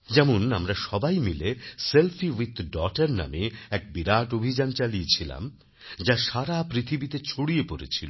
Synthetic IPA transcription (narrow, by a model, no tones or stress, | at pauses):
d͡ʑɛmonamɾaʃɔbajmileselfʰiwit̪ɖɔʈeɾna̰meɛk̚biɾaʈobʱid͡ʑant͡ɕalijet͡ɕʰila̰m | d͡ʑaʃaɾapɾit̪ʰibit̪et͡ɕʰoɽijepoɾḛt͡ɕʰilo